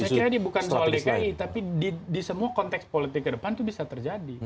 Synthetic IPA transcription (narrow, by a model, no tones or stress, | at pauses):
sakiɾadiabukansolɛkait̪apididisəmuakɔnt̪ɛkspolit̪ɪkːədəpant̪ubisat̪ərd͡ʒadi